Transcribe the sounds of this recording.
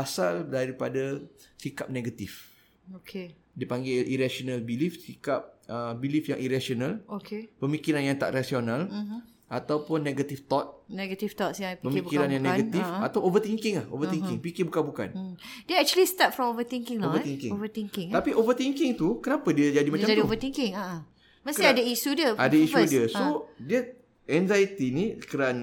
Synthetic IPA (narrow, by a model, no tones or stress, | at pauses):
asaldaɾipadasikap̚neɡat̪if | okʰe | dipaŋɡɪiɾasonalbilifsikap̚əbilifja̰ŋʔiɾasionalokʰepəmikiɾanjaŋt̪a̰ʔrasionãl | ʔat̪awpʊnːeɡat̪ift̪ɔt̪̚nɛɡat̪ift̪ɔtsjãpəmikkiɾanjaŋnːeɡat̪ifat̪awovət̪iŋkɪŋahʔo̰vət̪iŋkɪŋpikibukanbuka̰nd̥eɛk̚t͡ʃuəlist̪at̚fɹɔ̃movət̪ĩŋkɪ̃ŋlovət̪iŋkɪ̰ŋovət̪iŋkɪŋt̪apiʔovət̪iŋkɪŋt̪ukənapadiəd͡ʒadimat͡ʃamadiouovət̪iŋkɪ̃ŋaʔ | mə̃siadəisudiəadaisudiəsodiə | ʔɛnzait̪inikəɾan